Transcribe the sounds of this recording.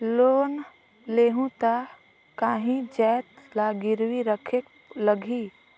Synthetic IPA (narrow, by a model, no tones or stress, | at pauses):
loːn | leːɦũt̪a | kaːɦĩd͡ʒɛːt̪laːɡɪɾwiɾəkʰek | ləɡʱi